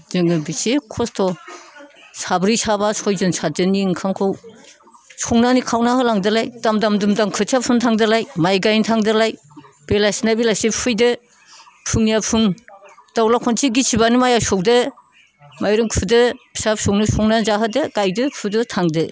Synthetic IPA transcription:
zɯŋɯbisekʰɔstʰɔ | sabɾisabasʰɔjzɯnsʰad͡ʒɯniŋkʰamkʰaw | sʰɔŋnanikʰawnaɦɯlaŋdɯlajdamdamdɯmdamkʰɯsʰapʰɯŋtʰaŋdɯlajmajɡajntʰaŋdɯlaj | b̥elasnabilasipʰɯjdɯ | pʰuŋnijapʰuŋd̥awlakʰɔntʰiɡisʰibanɯmajasɔwdɯ | majɾɯŋkʰudɯbʰi̥sap̚sʰɔwnɯsɔŋnazaɦɯdɯɡajdɯkʰudɯtʰaŋdɯ

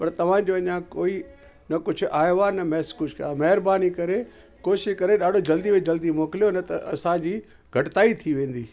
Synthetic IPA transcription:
pɐɾt̪ɐʋ̤ãd͡ʑoɐɲãkoːi | nɐkʊd͡ʑʱʊʔaːjoanɐmɛːskʊd͡ʑʱʊkɐjamɐɦɪɾbaːnikɐɾe | koːʃɪkɐɾeɗaːɖ̤ʱod͡ʑɐld̪iʋed͡ʑɐld̪imoːkɪlijonɐt̪ɐʔɐsãd͡ʑiː | ɡʱɐʈt̪aːit̪ʰiʋẽːn̆d̪iː

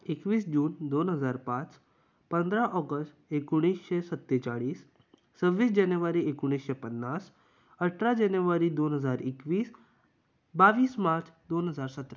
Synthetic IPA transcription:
ekʋiːsd͡ʒuːnd̪onɦəd͡zaːɾpãt͡s | pə̃nd̪ɾaʔɔɡəsʈekuɽ̃iːsʃesət̪ːet͡ʃaɭiːs | t͡səʋːiːs̬d͡ʒanjuʋaɾiekuɽ̃iːsʃepənːas | əʈʰɾad͡ʒanjuʋaɾiːd̪oːnɦəd͡zaːɾikʋiːs | baʋiːsmaɾt͡sd̪onɦəd͡zaːɾsət̪ɾa

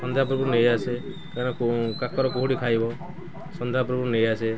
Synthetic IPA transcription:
sɔnd̪ʱjap̬ɾɔbuɾnejase | kaɾnɔkokakɔɾɔkoɦuɽikʰajbɔ | sɔnd̪ʱeapɾubuɾnejase

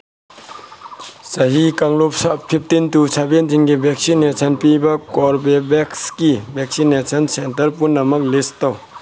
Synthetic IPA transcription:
sɐɦikaŋlop̚sɐppʰip̚ʰtintusʰabendinɡibʱek̚sinesʰɐnpibɐkɔɾbebekskibʱek̚sinesʰɐnsentɐɾpunːɐmɐk̚listaw

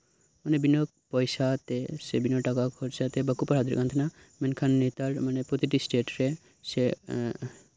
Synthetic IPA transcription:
manebinɔk̚pɔjsat̪esebinɔʈakakʰɔɾt͡ʃʰat̪ebakupaɾɦad̪iɾ̰kant̪ʰna | menkʰanːet̪aɾmanepɾot̪iʈisʈeʈɾe | se

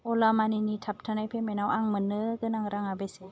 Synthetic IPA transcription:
ɔlamaninitʰap̚tʰanajpʰemenawaŋmɯnɯɡɯnaŋɾaŋabese

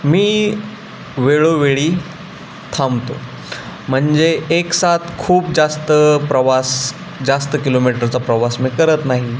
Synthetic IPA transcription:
miː | ʋeɭoʋeɭiː | t̪ʰamt̪o̰ | m̤əɳd͡zeːksat̪ʰkʰuːp̚d͡zast̪əpɾəʋas | d͡zast̪əkilomiʈəɾt͡sapɾəʋasmiːkəɾət̪naɦi

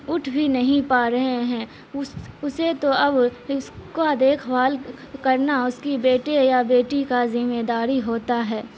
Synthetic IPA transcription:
ʊʈʰbʱinɐɦĩpaːɾɐɦeɦɛ̃ː | ʊʊset̪oɐbɪskad̪eːkʰʋaːlkɐɾnaʊskibeːʈejabeːʈikazɪmeːd̪aːɾiɦoːt̪aɦɛː

